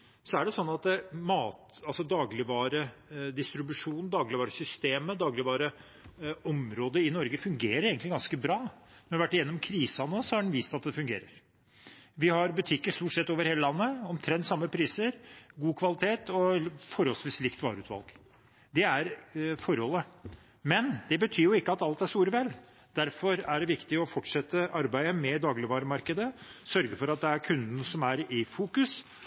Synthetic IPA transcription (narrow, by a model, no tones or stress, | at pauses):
sɔæɖɛsɔnːɑt̪mɑːt̪ɑlsɔd̪ɑːɡlɪʋɑːɾəd̪ɪst̪ɾɪbʉʂuːnn̩d̪ɑːɡlɪʋɑːɾəsʏst̪eːməd̪ɑːɡlɪʋɑːɾə | ɔmɾoːd̪əɪnɔɾɡəfʉŋɡeːɾəɾeːɡət̪lɪɡɑnskəbɾɑː | nʋæʈːjɛnːɔmkʰɾiːsɑnɔsɔhɑɖɛnʋiːst̪ɑt̪̚d̪ɛfʉŋɡeːɾəɾ | ʋɪhɑɾbʉt̪ʰɪkːəʂst̪uːʈsɛt̪ːoːʋəɾheːləlɑnːəɔmt̪ʰɾɛnt̪sɑmːəpʰɾiːsəɾɡuːkʰʋɑlɪt̪ʰeːt̪ɔfɔɾhɔlsʋiːslɪkt̪ʋɑ̰ːɾʉːt̪ʋɑ̰lˠɡ | d̪ɛæɾfɔɾhɔlːə | mɛnd̪ɛbət̪ʰyːɾjʊɪkːəɑt̪ɑlt̪æʂt̪uːɾʋɛl | d̪̥æɾfɔɾæɖɛʋɪkt̪ɪɔfɔʈʂɛt̪ːəʔɑɾbæɪəmɛd̪ɑːɡlɪʋɑːɾəmɑɾkəd̪əsœɾɡəfɔɾɑt̪̚d̪ɛæɾkʰʉnd̪n̩sɔmæɾɪfuːkʉs